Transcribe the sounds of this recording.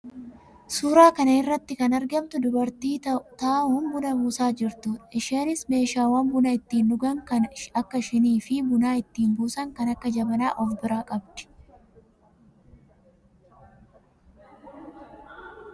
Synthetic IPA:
suːɾaːkɐnɐɪrːɐt̪ːɪkɐnɐɾɡɐmt̪ʊd̪ʊbɐɾt̪iːt̪aːuːnbʊnɐmuːsaːd͡ʒɪɾt̪uːᶑɐɪʃeːnɪsme̞ːʃaːwɐmbʊnɐɪt̪ːiːnːʊɡɐŋkɐnɐkːɐʃɪniːfɪbʊnaːɪt̪ːiːnbuːsɐŋkɐnɐkːɐd͡ʒɐbɐnaːʔɔfbɪɾaːkʼɐbd̪̥ɪ̥

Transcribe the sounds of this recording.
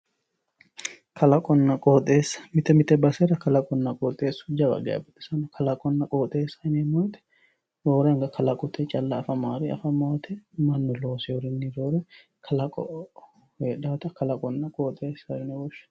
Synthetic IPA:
kʰɐlɐkʼɔnːɐkʼoːt̪ʼːeːsːɐ̥mɪt̪ɛmɪt̪ɛbɐsɛɾɐkɐlɐkʼɔnːɐkʼoːt̪ʼeːsːʊ̥d͡ʒɐbɐ̰ɡɛ̰ɐ̰bɪt̪ʼɪ̥sɐnɐkʰɐlɐkʼɔnːɐkʼoːt̪ʼeːsɐnemoːt̪ɛ̥ | ɾoːɾɛŋɡɐkʰɐlɐkʼʊt̪ʰɛt͡ʃʼɐlːɐːfɐmaːɾɪɐ̰fɐmoːt̪ʰɛmɐnːɔloːsɪjɔɾɪnːiɾoːɾɛ | kʰɐlɐkʼɔ̰ʔ | heːᶑaːt̪ɐkɐlɐkʼɔnːɐkʼoːt̪ʼeːsɐɾɪnɛbɔʃː

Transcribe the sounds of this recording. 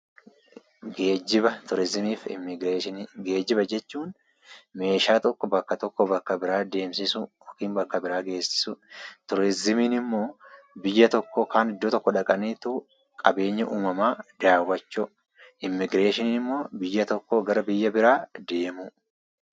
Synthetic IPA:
ɡeːd͡ʒːɪbɐt̪ʊɾɪzɪmiːfɡɾeːʃɪnɡe̞ːd͡ʒːɪbɐd͡ʒɛt͡ʃːuːn | me̞ːʃaːt̪ɔkːɔbɐkːɐt̪ɔkːɔbɐkːɐbɪɾaːd̪e̞ːmsɪsʊ | ɔkiːnbɐkːɐbɪɾaːɡe̞ːsːɪ̥sʊt̪ɔɾɪzɪmiːnɪmːo̞ː | bɪjːɐt̪ɔkːɔkaːnɪd̪ːoːt̪ɔkːɔᶑɐkʼɐniːt̪u | kʼɐ̰be̞ːɲːɐʔuːmɐmaːd̪aːwːɐt͡ʃːʊ | ʔɪmːɪɡɾe̞ːʃɪniːnɪmːo̞ːbɪjːɐt̪ɔkːɔɡɐɾɐbɪjːɐbɪɾaːd̪e̞ːmʊ

